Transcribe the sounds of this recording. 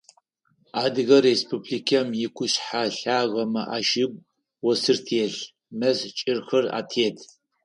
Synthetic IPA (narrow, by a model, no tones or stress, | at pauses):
aːdɨɣɐrespʰublikʰɐmjɪkʷʊɕħaɬaːʁɐmɐʔaːʃɪb̚ʷʼ | wɔsɨrtʰeːɬ | mɐzt͡ʃʼɪrxɐra̰ːtʰeːtʰ